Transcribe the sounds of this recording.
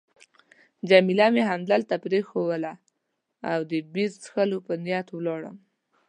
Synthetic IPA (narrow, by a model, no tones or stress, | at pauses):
d͡ʒamilameɦamd̪alt̪apɾexowəla | awd̪əbiɾsxəlopənjɑt̪wlɑɽə̰m